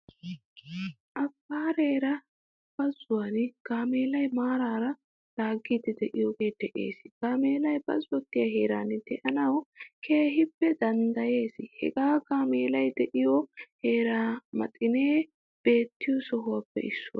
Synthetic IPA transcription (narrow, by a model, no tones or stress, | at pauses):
ʔɐbːaːɾe̞ːɾɐ | b̥ɐzʊwaːnɡ̥aːmeːlɐjmaːɾaːɾɐ | l̥aːɡːiːd̪ɛd̪ɛʔɪjɔɡe̞ːd̪̥ɛʔe̞̰ːsɪɡ̥aːme̞ːlɐjbɐ̰zʊɔt̪ːɪjɐɦe̞ːɾaːnɪd̪̥ɛʔɐnɐwkʰe̞ːhɪpːɛd̪ɐnd̪ɐje̞ːsɪhɛ̰ɡaːɡaːmeːlɐjd̪ɛʔɪjɔhe̞ːɾaːmɐ̰t̪ʼɪneː | b̥e̞ːt̪ːɪjɔsɔɦʊwapːɛ̰ɪsːʊ